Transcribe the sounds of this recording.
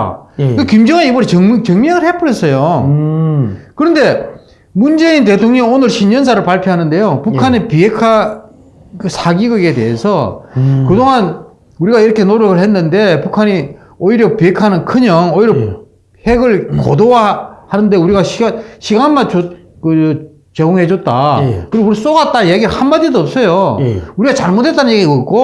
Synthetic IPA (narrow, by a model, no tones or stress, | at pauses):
kimd͡ʑʌŋɯnibʌɾet͡ɕʌt͡ɕʌŋmʌŋɯɭhe̞p͈ɯɾes͈ʌjo | kɯɾʌnde̞ | mund͡ʑe̞int̬e̞tʰoŋɲʌŋonɯɭɕʰiɲʌns̬ʰaɾɯɭpaɭpʰjoɦanɯnde̞jopukʰanepie̞kʰa | ɯsʰaɡiɡɯɡe̞te̞ɦesʰʌkɯdoŋan | uɾiɡaiɾʌkʰe̞noɾjʌɡɯɭhenːɯnde̞pukʰaɲi | oiɾjʌpie̞kʰaɦnɯnkʰɯɲʌŋoiɾjʌ | he̞ɡɯɭko̰dowahanɯnde̞uɾiɡaɕʰiaɕʰiɡanmat͡ɕo | kɯ | t͡ɕeɡoŋɦe̞d͡ʑot̚t͈a̰kɯɾiɡuɾis͈oɡat̚t͈ajeɡiɾɯɭhanmadidoʌp̚s͈ʌjouɾiɡat͡ɕaɭmode̞t͈anɯnɲjeɡiɡoik͈o